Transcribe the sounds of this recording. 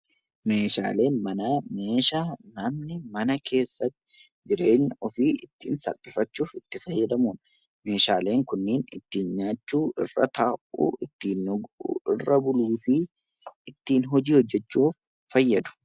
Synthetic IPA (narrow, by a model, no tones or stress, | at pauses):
me̞ːʃa̰ːle̞ːnmɐnɐme̞ːʃaːnɐmnɪmɐnɐkʰe̞ːsːɐt̪ːɪ̥ɪ | d͡ʒɪɾe̞ːɲːɐɔfiːɪt̪ːḭːnsɐ̰lpʼɪfɐt͡ʃːuːfɪt̪ːɪfɐjːɐd̪ɐmuːn | me̞ːʃaːle̞ːŋkʊnːeːnɪ̰t̪ːiːnɲaːt͡ʃːuːɪ̰rːɐ̰t̪ɐːʔṵːʔɪt̪ːiːnɔɡɪrːɐbʊluːfɪ | ɪt̪ːiːnɦɔd͡ʒiːhɔd͡ʒːɛt͡ʃːuːfː | ɐjːɐd̪ʊ̥